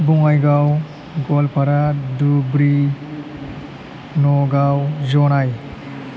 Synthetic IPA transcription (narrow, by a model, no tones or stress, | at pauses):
bɔŋajɡaw | ɡɔlpʰaɾadubɾi | nɔɡawzɔnaj